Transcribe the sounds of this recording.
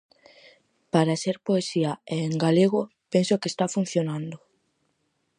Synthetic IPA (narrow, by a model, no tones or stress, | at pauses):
paɾaseɾpoesiaeːŋɡaleɣ̞o | pensokest̪afun̟θjonãnd̪o